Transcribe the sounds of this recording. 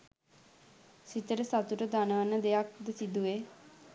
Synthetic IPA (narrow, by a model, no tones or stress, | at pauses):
sit̪əɾəsat̪uʈəd̪anəʋanːəd̪ejak̚d̪əsid̪ue